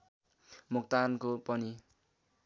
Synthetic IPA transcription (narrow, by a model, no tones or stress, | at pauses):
muk̚t̪ankopʌni